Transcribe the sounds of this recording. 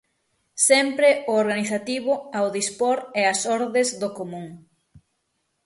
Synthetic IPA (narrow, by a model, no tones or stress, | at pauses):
sɛmpɾeʊoɾɣaniθat̪iβʊawðispoɾɛɐsɔɾðezðokomũŋ